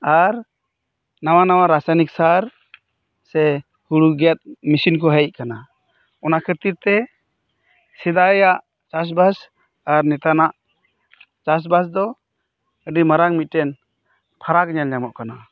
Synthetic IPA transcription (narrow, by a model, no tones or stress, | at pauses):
aɾ | nawanawaɾasajnik̚saɾ | sɛ | huɽuɡɛt̪̚misinkɔɦɛc̚kana | ɔnakʰəɾt̪iɾt̪ɛ | sɛd̪ajaʔ | t͡ʃas̬bas | aɾnɛt̪anaʔ | t͡ʃas̬bas̬d̪ɔ | əɖimaɾaŋmit̪̚tɛn | pʰaɾakɲalɲamɔʔkana